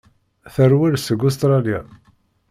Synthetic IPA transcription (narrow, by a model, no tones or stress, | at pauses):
θərwiɾsəɡus̬t̪ɾˤɑlija̰